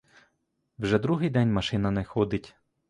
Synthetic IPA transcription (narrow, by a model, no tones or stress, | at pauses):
wʒɛd̪ɾuɦɪjd̪ɛnʲmɐʃɪnɐnɛxɔd̪ɪtʲ